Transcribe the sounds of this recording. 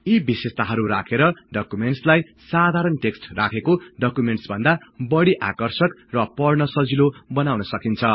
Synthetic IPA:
ibisest̪aɦʌɾuɾa̰kʰeɾʌɖʌkumeɳʈslaj | sad̪ʱaɾʌnʈeksʈrakʰekoɖʌkumeɳʈsbʱʌnd̪abʌɽiʔakʌrsʌkrʌpʌrnʌsʌd͡zilobʌnawnʌsʌkint͡sʰʌ

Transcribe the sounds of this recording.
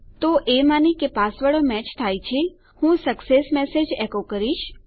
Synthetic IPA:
t̪oʔemanikepasʋaɭomɛt͡ʃt̪ʰajt͡ʃʰe | hũsəksesmɛsed͡ʒekokəɾiʃ

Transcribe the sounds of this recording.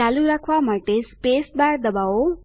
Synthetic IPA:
aluɾakʰwamaʈ̪espesbaɾd̪ʌbawo

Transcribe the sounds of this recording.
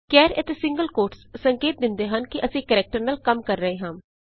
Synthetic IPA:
kɛːɾət̪eːsɪ̃ŋɡəlkoːɾʈssəŋkeːt̪̚d̪ɪnd̪eːɦənkɪʔəsĩːkəɾɛːk̚ʈəɾnaːlkəmkəɾːəẽːɦãːm

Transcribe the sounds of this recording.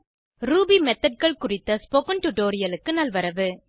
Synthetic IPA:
ɾuːbimɛt̪ːɐɖ̚kɐɭkʊrɪt̪ːɐspokɐnʈʊʈoːɾɪjɐlɯkːɯnɐlʋɐɾɐʋɯ

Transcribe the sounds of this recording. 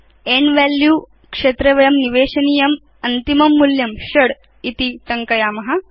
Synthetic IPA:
eːɳɖʋaːljuː | kʂeːt̪ɾɐʋɐjɐmniʋeːʃɐniːjɐm | ɐnt̪imɐmːuljɐmʃɐɽ | it̪it̪ɐŋkɐjaːmɐɦɐ̆

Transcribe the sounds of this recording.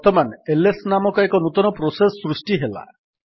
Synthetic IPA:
t̪ɔmanelesnamɔkɔekɔnut̪ɔnɔpɾosesɔːɾusʈiɦela̰

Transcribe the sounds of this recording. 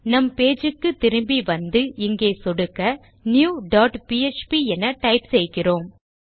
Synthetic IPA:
nɐmpeːd͡ʒɯkːɯt̪ːɪɾɯmbiʋɐnd̪ɯɪŋɡeːsɔɽɯkːɐ | njuːɖaːʈpiːet͡ʃpiɛnːɐʈɐɪpsɛjkːɪroːm

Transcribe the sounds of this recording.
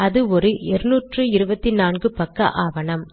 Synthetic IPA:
ɐðɯɔɾɯʔɛɾɯnuːʈrɯɪɾɯbɐt̪ːinaːnɡɯpɐkːɐ̰ʔaːʋɐnɐm

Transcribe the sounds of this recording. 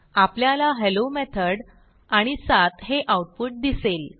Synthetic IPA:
apljalaɦelomɛt̪ʰəɽ | aɽ̃isat̪ɦeʔauʈ̚puʈ̚d̪isel

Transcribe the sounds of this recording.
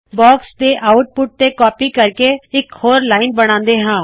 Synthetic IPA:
bɔːkst̪eʔaːʊʈ̚pʊʈ̚t̪ekɔːpikɐɾkeɪkhoːɾlaːɪnbɐɽ̃ãːnd̪eɦɛ̃ː

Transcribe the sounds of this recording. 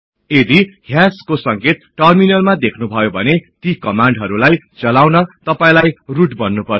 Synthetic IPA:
ed̪iɦjaskosʌŋket̪̚ʈʌrminʌlmad̪ekʰnubʱʌjobʱʌnet̪ikʌmaɳɖɦʌɾulajt͡sʌlawnʌt̪ʌpaĩlajruʈbʌnːupʌr

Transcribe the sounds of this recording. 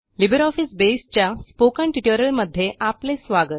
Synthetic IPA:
libəɾɔfisbest͡ɕjaspokəɳʈiʈjəɾəlməd̪ʱːjeʔaplesʋaɡət̪̚

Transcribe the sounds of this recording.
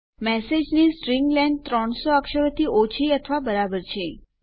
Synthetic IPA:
mɛsed͡ʒnisʈɾiŋɡlɛ̃ɳɖ̚t̪ɾəɳ̃soəkʃəʋət̪iot͡ʃʰiət̪ʰʋabəɾabəɾt͡ʃʰe

